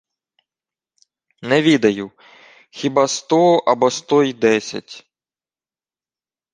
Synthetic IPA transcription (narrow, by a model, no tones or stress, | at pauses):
nɛʋʲid̪ɐjʊ | xʲibɑst̪ɔʔɐbɔst̪ɔid̪ɛsʲɐ̰tʲ